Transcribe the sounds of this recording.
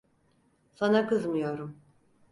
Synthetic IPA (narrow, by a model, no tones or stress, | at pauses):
sanakɯzmɯjo̞ɾum